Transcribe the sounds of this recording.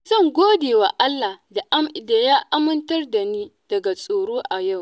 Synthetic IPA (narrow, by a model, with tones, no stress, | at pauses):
zɐ˦˨ŋɡʷoː˦deː˨wa˨ʔa˦lːa˨hda˨ʔa˦mɪ˨da˨ja˦ʔa˦mʊ˦ntɐ˦rda˨niː˦d̥ɐ˨ɡa˨sʼoː˨ɽoː˦ʔa˨ja˦˨w